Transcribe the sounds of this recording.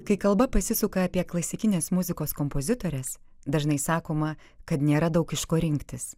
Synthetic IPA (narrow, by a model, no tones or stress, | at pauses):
kɐɪkɐlˠbɐpɐsʲɪsʊkɐːpʲiɛklˠɐsʲɪkʲɪnʲeːsmʊzʲɪkoːskɔmpoːzʲɪt̪oːɾʲɛs | d̪ɐʒnɐɪsɑːkoːmɐ | kɐt̪nʲeːɾɐd̪ɐʊkɪʃkoːɾʲɪŋʲkt̪ʲɪs